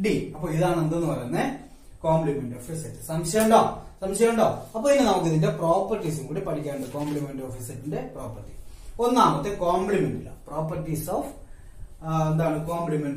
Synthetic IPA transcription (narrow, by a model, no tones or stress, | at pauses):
ɖiɐpːo̞ːiðaːɳend̪enːɨpɐɾɐjːnːɐ | koːmplimeɳɖoːfisɐtːɨ̥sɐmɕɐjɐuɳɖo̰ːsɐmɕɐjɐuɳɖo̞ːɐpːoːinːɨnɐmɐk̪ːjɐðinde̞pro̞ːpːɐrtːis̬uŋkuːɽipɐʈʰikʲːaːɳɖɨkoːmblimenɖoːfiːsɐtːinde̞proːpːɐrtːionːaːmɐt̪ːekoːmpɭimeɳɖilːɐ̰pro̞ːpːɐrtːisof | end̪aːɳɨkoːmplimeɳɖ